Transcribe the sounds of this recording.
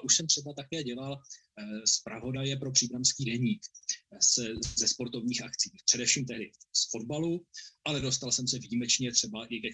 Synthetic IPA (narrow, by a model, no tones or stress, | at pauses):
ʔuʃsɛmt̪r̥ɛbat̪akɛːɟɛlal | spɾavo̞dajɛpɾo̞pr̝̥iːbɾamskiːdɛɲiːkszɛspo̞ɾt̪o̞vɲiːxakt͡siːpr̝̥ɛdɛfʃiːmt̪ɛɦdɪsfo̞dbaluʔalɛdo̞st̪alsɛmsɛviːmɛt͡ʃɲɛt̪r̥ɛbaʔɪkɛ